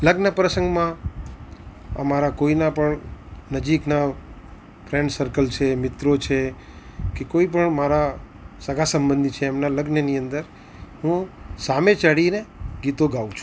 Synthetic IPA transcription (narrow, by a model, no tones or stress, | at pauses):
ləɡnəpɾəsə̃ŋɡmã | ə̰maɾakoinapəɳnəd͡ʒikna | fɾeɳɖsəɾkəlt͡ʃʰemɪt̪ɾot͡ʃʰe | kekoip̬əɳmaɾa | səɡʱasəmbə̃nd̪ʱit͡ʃʰeːmnaləɡnəniənd̪əɾ | ɦũsamẽt͡ʃaɽineɡit̪oɡaʋũt͡ʃʰu